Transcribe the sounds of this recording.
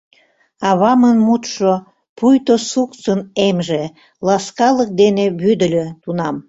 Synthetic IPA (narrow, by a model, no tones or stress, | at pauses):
ɑβɑmənmut̪ʃo | pujt̪osukt͡sənemʒe | lɑskɑlək̚d̪eneβyd̪əlʲøt̪unɑm